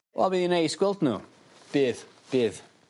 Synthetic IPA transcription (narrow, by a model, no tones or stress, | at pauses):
wʔɛ̰lˠbiːðinejsɡwɪlˠtnṵː | b̥ɪːð | b̥ɨːð